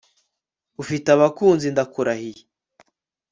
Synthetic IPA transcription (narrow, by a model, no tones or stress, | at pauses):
ufitaβakuːnzindakuɾahije